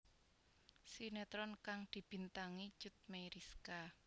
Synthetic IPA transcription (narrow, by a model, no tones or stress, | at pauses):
sinet̪ɾɔnkaŋd̪̥i̤b̥i̤nt̪aŋi̥d͡ʒ̥ʊt̪̚mejɾiska